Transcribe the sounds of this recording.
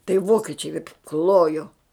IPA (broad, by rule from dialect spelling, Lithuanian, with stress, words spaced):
tɐɪ ˈʋoːkʲɪt͡ʃʲɛɪ ˈklˠoːjoː